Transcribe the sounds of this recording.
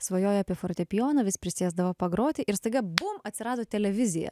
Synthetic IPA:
sʋɐjoːjɑːpʲiɛfoːɾt̪ʲɛpʲɪjoːnɐʋʲɪspʲɾʲɪsʲeːzd̪ɐʋopɐɡɾoːt̪ʲɪʔɪɾst̪ɐɪɡɐbʊmɐt̪ʲsʲɪɾɑːd̪oːt̪ʲɛlʲɛʋʲɪzʲɪjɛ̰

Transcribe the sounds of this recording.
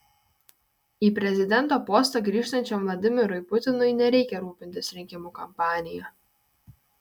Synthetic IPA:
iːpʲɾʲɛzʲɪd̪ʲɛnˑt̪oːpɔːst̪ɐɡɾʲiːʃt̪ɐnʲt͡ʃʲɔmʋlˠɐd̪ʲɪmʲɪɾʊɪpʊt̪ʲɪnʊɪnʲɛɾʲɛɪkʲɛɾuːpʲɪnʲt̪ʲɪsɾʲɪŋʲkʲɪmuːkɐmpɑːnʲɪjɛ

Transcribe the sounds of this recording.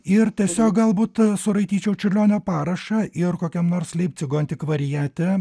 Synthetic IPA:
ɪrt̪ʲiɛsʲoːk̚ɡɐlˠbuːt̪sʊɾɐɪt̪ʲiːt͡ʃʲɛʊt͡ʃʲʊlʲoːnʲoːpɑːɾɐʃɐʔɪrkoːkʲɛmnoːɾslʲɛɪp̚ʲtsʲɪɡoːnʲt̪ʲɪkʋɐɾʲɪjæːt̪ʲɛ

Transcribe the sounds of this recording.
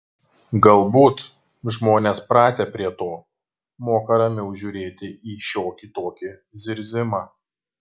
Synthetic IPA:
ɡɐlˠbuːt̪ | ʒmoːnʲeːspɾɑːt̪ʲepʲɾʲiɛt̪oː | moːkɐɾɐmʲɪʊʒʲuːɾʲeːt̪ʲɪʔiːʃʲoːkʲit̪oːkʲɪzʲɪɾʲzʲɪmɑː

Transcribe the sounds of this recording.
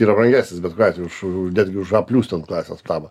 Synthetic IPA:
iːɾɐpɾɐŋʲɡʲæːsʲnʲɪsbʲɛt̪koɑt̪ʲʊʃnʲæːd̪ʲɡʲɪʊʃɐpʲlʲuːsʲt̪ʲonklˠɑːsʲḛːspt̪ɑːbɐ

